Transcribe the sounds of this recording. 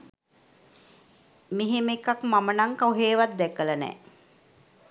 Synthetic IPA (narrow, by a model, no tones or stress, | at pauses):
miɦemekakmamənaŋkauɦeːʋat̪̚d̪ɛkələnɛ̰ː